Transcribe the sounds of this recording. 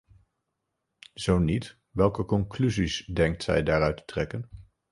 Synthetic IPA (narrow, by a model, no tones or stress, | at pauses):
z̥ownit | ʋɛlˠkəkɔŋklyzisdɛŋk̚tsɛ̰jdaːɾœɥtə̥trɛkən